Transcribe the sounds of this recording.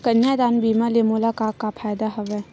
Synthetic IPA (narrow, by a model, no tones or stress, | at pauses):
kɐnjad̪anbimɐlemulakakapʰajd̪aɦɐbe